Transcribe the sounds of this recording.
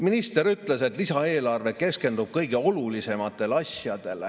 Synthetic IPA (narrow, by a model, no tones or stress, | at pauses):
minist̪e̞ɾyt̪ˑle̞se̞t̪ˑlisɑe̞ːlɑrve̞ke̞ske̞nd̪̥ub̥̚kɤjɡ̥e̞o̞lulise̞mɑt̪ːˑe̞lɑsjɑd̪̥e̞l